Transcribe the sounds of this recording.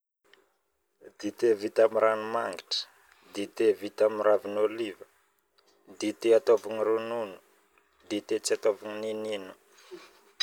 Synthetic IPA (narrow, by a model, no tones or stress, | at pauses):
d̪it̪evit̪amiɾanumaŋɡiʈ͡ʂə̥ | d̪it̪evit̪amiɾavinolivə | d̪it̪eat̪ovuŋiɾununu̥ | d̪it̪et͡siat̪ovuŋinininu̥